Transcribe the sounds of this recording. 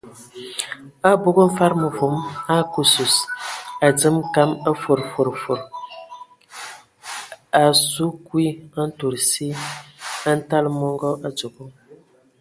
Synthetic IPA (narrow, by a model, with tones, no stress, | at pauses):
a˦bo˦ɡo˦m̩˦fa˦ɾmə˨vu˨˦ma˦ku˦su˨sa˨d͡zə˦mka˦ma˦fo˨ɾfo˨ɾfo˨ɾ | a˨su˦kwi˦a˦n̩˦to˨ɾsi˦ | a˦n̩˦ta˦lmɔ˦ŋɡɔ˦ʔa˦t͡so˨ɡo˦